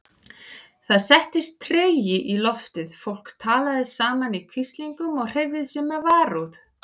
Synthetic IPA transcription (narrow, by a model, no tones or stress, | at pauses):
θaðsɛht̪ɪst̪ʰːɾeːjɪʔilɔft̪ɪð̥fowl̥kt̪ʰaːlaðɪsaːmanikʰvist̪liŋkʏmɔɣr̥ejvðɪðsjɛmɛðvaːɾuð